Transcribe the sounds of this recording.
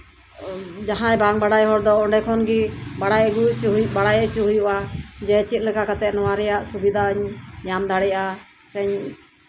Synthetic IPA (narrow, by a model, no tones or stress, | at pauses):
d͡ʒaɦãjbaŋbaɽajɦɔɾd̪ɔɔɖɛkʰɔnɡibaɽajɡut͡ʃɦjbaɽajɛt͡ʃuɦujuʔad͡ʒɛt͡ʃit̪̚ˀlɛkakat̪ɛt̪̚nɔwaɾɛjaʔsubid̪ʱaəɲɲamd̪aɽɛʔa | sɛɲ